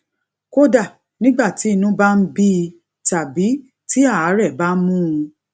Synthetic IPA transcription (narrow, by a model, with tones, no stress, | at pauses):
ko˦da˦˨ | nĩ˦ɡ͡ba˦˨ti˨˦i˧nũ˦ba˦n̩˦bi˦˧ | ta˨bi˨˦ | ti˦a˦˨a˨˦ɾɛ˦˨ba˦mũ˦ũ˧